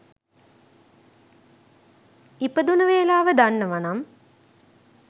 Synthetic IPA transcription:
ipəd̪unəʋeːlaːʋəd̪anːəʋanam

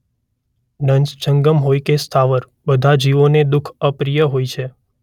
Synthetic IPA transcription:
ɖənsd͡ʒəŋɡəmɦojkest̪ʰaʋəɾ | bəd̪ʱad͡ʒiʋoned̪ukʰəpɾijəɦojt͡ʃʰe

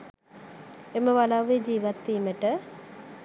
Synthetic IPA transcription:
eməʋalaʋːed͡ʒiːʋat̪ːiːməʈə

